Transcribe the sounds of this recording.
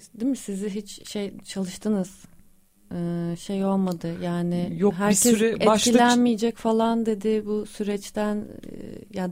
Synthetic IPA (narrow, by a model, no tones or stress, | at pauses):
d̪imisiziɦit͡ʃʃejt͡ʃʰalˠɯʃt̪ʰɯnɯz̥ | ɯːʃejo̞lˠmad̪ɯjaːnɪjoɦæɾcʰɛɾeʃilʲænmijɛd͡ʒɛcfalˠand̪e̞d̪ɪbusyɾɛt͡ʃt̪ʰænjad̪